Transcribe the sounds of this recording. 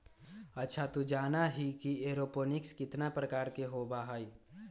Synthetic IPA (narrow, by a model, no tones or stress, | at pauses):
ɐtːʃʰat̪ud͡ʒaːnaɦikieːɾoːpoːnɪkskɪt̪napɾəkaːɾkeɦoːbaɦai